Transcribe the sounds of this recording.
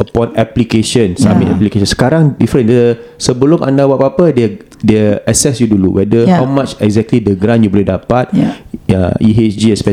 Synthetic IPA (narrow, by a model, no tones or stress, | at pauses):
əpɔ̃nɛplikeʃə̃nsa̰mĩtɛ̰plikeʃɔ̃nsə̥kaɾaŋdifəɾə̃ndəsəbəlʊmʔã̰ndawapapədɛ | dɛəsɛsjudulṵwʔɛdəhawmat͡ʃɛkzɛk̚tlidəɡɾãnjubɔlɛhdapat̚ə̰iɦet͡ʃd͡ʒiɛspɛ